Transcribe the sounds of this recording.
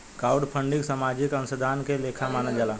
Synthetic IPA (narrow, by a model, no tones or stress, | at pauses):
kaːʊɖpʰə̃ɳɖiksamaːd͡ʒɪkənsəd̪ʱaːnkeleːkʰamaːnəd͡ʒaːlaː